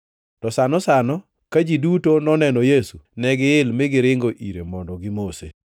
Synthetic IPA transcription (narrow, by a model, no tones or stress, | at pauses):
tɔsanɔsanɔ | kad͡ʒidutonɔnɛnɔjesunɛɡɪɪlmɪɡɪɾɪŋɡoʔḭɾemɔndɔɡɪmosḛ